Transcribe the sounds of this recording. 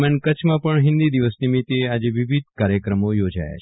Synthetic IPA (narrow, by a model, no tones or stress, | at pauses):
mankət͡ʃʰmãpəɳɦɪ̃nd̪id̪iʋəsnimit̪ead͡ʒeʋɪʋid̪̚ʱkaɾjəkɾəmojod͡ʒa̰ja̰t͡ʃʰ